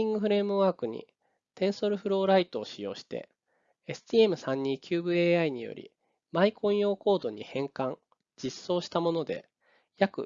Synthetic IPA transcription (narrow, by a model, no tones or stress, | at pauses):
ĩŋɡɯ̟ɸɯ̟ɾe̞mɯ̟βaːkɯ̟ɲ̟ḭ | t̪ẽ̞ɰ̃so̞ɾɯ̟ɸɯ̟ɾo̞ːɾait̪o̞ːɕijo̞̰ːɕi̥t̪e̞̰ː | sɨ̥t̪ʲie̞mɯ̟sãɲ̟ːiːkʲʰɨːbɯ̟eaiɲ̟ijo̞̰ɾʲḭ | maikʰõ̞ɰ̃jo̞ːko̞ːd̪o̞ɲ̟ḭhẽ̞ŋkãŋ | d͡ʑ̥isːo̞ːɕi̥t̪amo̞no̞d̪e̞̰ | jakɯ̟̰